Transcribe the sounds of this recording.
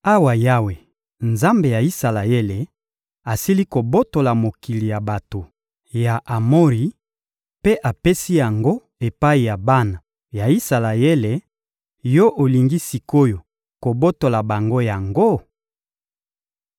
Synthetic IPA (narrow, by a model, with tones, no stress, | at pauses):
a˦wa˨ja˦we˨ | nza˦mbe˨ja˨i˦sa˨la˨je˦le˨ | a˨si˦li˦ko˨bo˦to˨la˨mo˨ki˨li˨ja˨ba˨to˨ | ja˨ʔa˨mo˦ʁi˨ | pe˦ʔa˨pe˦si˦ja˨ŋɡo˦ | e˨pa˦i˨ja˨ba˦na˨ | ja˨i˦sa˨la˨e˦le˨ | jɔ˦ʔo˨li˨ŋɡi˦si˨ko˦jo˨ | ko˨bo˦to˨la˨ba˨ŋɡo˦ja˨ŋɡo˦